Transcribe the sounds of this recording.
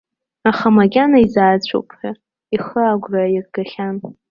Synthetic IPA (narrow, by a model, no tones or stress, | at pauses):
aχamaɡʲanaizaːt͡ɕʷʰʼo̰pʰʼħa | iχəaɡʷrairɡaχʲan